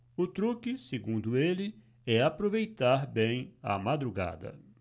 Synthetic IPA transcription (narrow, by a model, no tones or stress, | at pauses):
ʊt̪ɾukɪseɡũnd̪ʊelɪ | ɛapɾovejt̪aɾbẽj̃a̰mad̪ɾuɡa̰d̪ɐ̰